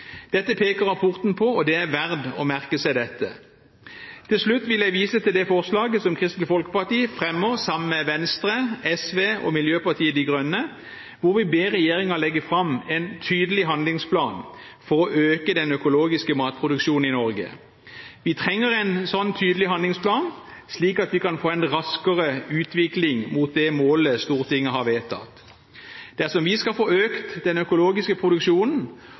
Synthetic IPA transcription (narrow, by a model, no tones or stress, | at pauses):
d̪̥ɛt̪ːəpʰeːkəʁɑpʰʊʁt̪npʰɔɔd̪ɛæʋæʁd̪ɔmæʁkəsæɪd̪ɛt̪ːə̰ | t̪ʰɪlʂlʉt̪ːʋɪljæɪʋiːsət̪ʰɪld̪ɛfɔʁslɑːɡəsɔmkʰʁɪst̪l̩ɪfɔlkə̥pɑʁt̪iːfʁɛmːəʁsɑməmɛʋɛnst̪ʁəɛsʋeːɔ̰mɪljøːpɑʁt̪ʰiːəd̪ɪɡʁœnːə | ʋʊʁʋɪbeːʁɛjeːɾɪŋɑlɛɡːəfʁɑmɛnt̪ʰyːd̪əlɪɦɑnd̪lɪŋspʰlɑ̰ːn | fɔɾɔʔøːkəd̪ɛnœkʊloːɡɪskəmɑːt̪̚pʰʁʊd̪ʉkʃuːn̩ɪnɔɾɡə̰ | ʋɪt̪ʰʁɛŋːəʁɛɪnsɔnːt̪ʰyːd̪əlɪɦɑnd̪lɪŋspʰlɑːn | sliːkɑt̪ʋɪkɑnfoːɛnʁɑskəʁəʉːt̪ʋɪklɪŋmuːt̪̚d̪ɛmoːləst̪uːʁt̪ʰɪŋːəɦhɑʋeːt̪ʰɑ̰t̪ | d̪̥æʁsɔmʋɪskɑlfoːøːkt̪d̪ɛnœkʊloːɡɪskəpʰʁʊd̪ʉkʃuːnn̩